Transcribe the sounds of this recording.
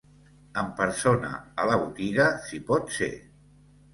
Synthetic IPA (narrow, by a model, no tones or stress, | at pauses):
əmpəɾsonə̰ələβut̪iɣəsipɔt̪sḛ